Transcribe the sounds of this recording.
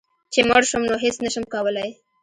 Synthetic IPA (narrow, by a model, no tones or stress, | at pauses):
t͡ʃeməɽʃəmnoɦɪsnəʃəmkɑwəlaj